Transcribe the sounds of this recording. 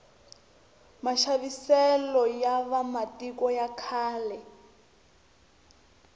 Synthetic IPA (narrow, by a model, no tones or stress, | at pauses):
maʃaβisɛlɔjaβamatʼikɔjakʰaːlɛ